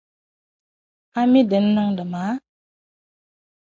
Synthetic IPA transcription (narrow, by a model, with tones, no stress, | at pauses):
a˦mi˦də˨˦n̩˦nɔ˦ŋdə˨ma˨˦